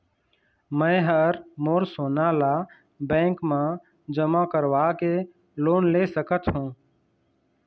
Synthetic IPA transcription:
mə̃ːɦəɾmoːɾsoːnaːlaː | bẽːŋkmãː | d͡ʒəmãːkəɾʋaːkeː | loːnleːsəkət̪ɦũː

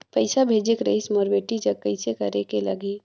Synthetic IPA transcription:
pɐɪsabʱeːd͡ʒekɾə̰ɪsmɔːɾbeːʈid͡ʒɐkːəɪsekɐɾekelɐ̰ɡeː

